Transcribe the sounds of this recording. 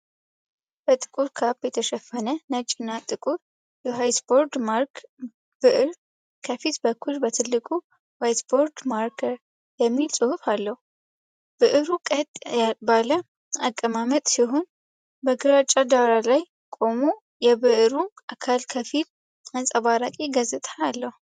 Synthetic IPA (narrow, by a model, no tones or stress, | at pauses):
b̥ət̪ʼɨ̥kʼuɾkʰabjɛt̪ʰəʃɛfːənənət͡ʃʼːinːat̪ʼɨkʼuɾ | jɛɦajsboɾd̪maɾk | bɨʔɨɾ | kʰəfit̪bəkʰːulbət̪ʰɨlːɨkʼu | wajsboɾd̪maɾkʰəɾ | jɛmːilsʼɨhufalːəhu | b̥ɨʔɨɾukʼət̪ʼabalə | akʼːəmamət̪ʼsiɦo̞n | bəɡɨɾat͡ʃʼad̪aɾalaj | kʼo̞mu | jɛβɨʔɨɾuʔakʰalkʰəfit | ansʼəβaɾakʼiɡəzɨt̪ʼʰaalːəhu